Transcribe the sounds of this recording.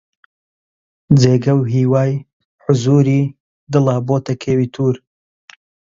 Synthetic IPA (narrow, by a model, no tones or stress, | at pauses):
d͡zeːɡɐwɦiːwaːj | ħʊzuːɾiː | d̪ɨlɑːboːt̪ɐkʰeːwiːt̪ʰuːɾ